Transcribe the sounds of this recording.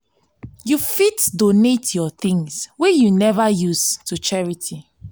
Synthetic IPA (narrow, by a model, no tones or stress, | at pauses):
jufitdonetjɔθĩŋswɛjunɛvajustut͡ʃɛɹitʰi